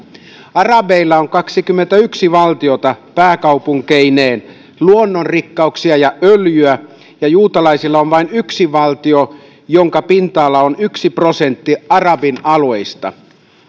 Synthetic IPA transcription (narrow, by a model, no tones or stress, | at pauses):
ɑrɑbeilːɑoŋkɑksikymːent̪æyksiʋɑlt̪io̞t̪ɑpæːkɑupuŋkeineːn | luonːo̞nrikːɑuksiɑjɑʔøljyæ | jɑjuːt̪ɑlɑisilːɑonʋɑinyksiʋɑlt̪io̞ | jo̞ŋkɑpint̪ɑːlːɑonyksipro̞se̞nt̪ːiɑrɑbinɑlueist̪ɑ̰